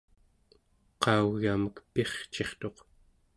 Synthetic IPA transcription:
qɑuɣaməkpeχt͡ʃe̞χt̪o̞q

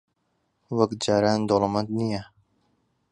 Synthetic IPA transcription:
wɐkd͡ʒaːɾaːnd̪olɑmant̪nija

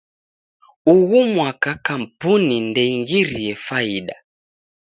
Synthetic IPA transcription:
uɣumwakakam̩punindɛiŋɡiɾiɛfaiɗa

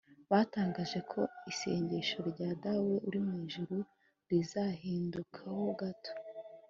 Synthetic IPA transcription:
βaːtaːŋɡaːʒe̞kʰo̞ise̞̰ːɲɟe̞ʃo̞ɾɟaːdawe̞ʔuɾimŋiːʒuɾu | ɾizahiːndukʰaho̞ɡato̥

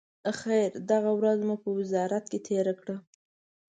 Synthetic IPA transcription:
xajɾd̪aɣawɾazmupəwɪzɑɾat̪̚ket̪ʰeɾakɽə

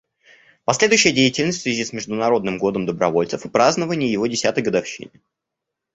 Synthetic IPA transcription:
pɐsʲlʲe̞d̪ʊjʏɕːɪjədʲejɪtʲɪlʲnəsʲt̪ʲsʲvʲɪzʲismʲɪʐd̪ʊnɐɾo̞d̪nɨmɡo̞d̪əmd̪əbɾɐvo̞lʲt̪səfɨpɾaznəvənʲɪjɪjɪvo̞dʲɪsʲat̪əjɡəd̪ɐfɕḭnʲɪ

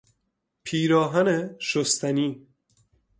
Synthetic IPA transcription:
pʰiːɾɒːɦæneʃost̪ʰæniː

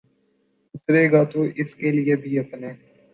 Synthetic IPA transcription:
d̪uːsɾeːɡaːt̪oʔɪskelɪebʱiːɐpneː

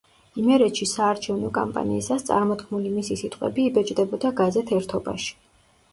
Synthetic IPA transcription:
imɛɾɛt̪ʃisaːɾt͡ʃʰɛvnɔkʼa̰mpʼa̰nḭːsast̪sʼa̰ɾmɔd̪̚ɡʰmulimisisit̪ʼqʼwɛ̰biːbɛt͡ʃʼd̪ɛbɔd̪aɡazɛt̪ʰɛɾt̪ʰɔba̰ʃi̥

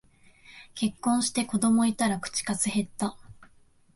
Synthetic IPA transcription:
ke̞kːõɰ̃ɕi̥t̪e̞ko̞d̪o̞mo̞it̪aɾakɯ̟̥t͡ɕi̥kazɨɦe̞t̪ːa

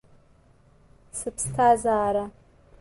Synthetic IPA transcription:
sɨpʰstʰazaːɾa

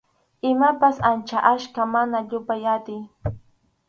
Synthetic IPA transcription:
ɪmapasant͡ʃaʔaʃkamanaʎʊpajat̪ɪj

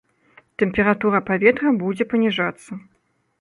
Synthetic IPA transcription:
t̪ɛmʲpʲɛɾat̪uɾɐpavʲɛt̪ɾɐbud͡zʲɛpɐnʲiʐat̪sːɐ

